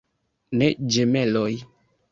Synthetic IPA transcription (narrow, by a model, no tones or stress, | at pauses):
ned͡ʒemɛlɔj